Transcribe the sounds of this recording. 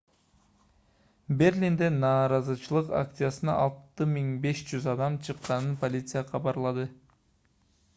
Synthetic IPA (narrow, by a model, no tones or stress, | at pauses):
be̞rlʲind̪enɑːɾɑzɯt͡ʃʰɯlˠɯqa̰k̚t̪sɨjasɯnɑ̰ʔɑlˠt̪ɯmiŋbe̞ʃd͡ʒyzɑd̪ɑmt͡ʃʰɯqːɑnɯnpolʲit̪sɨjaqʰɑβɑɾlˠɑd̪ɯ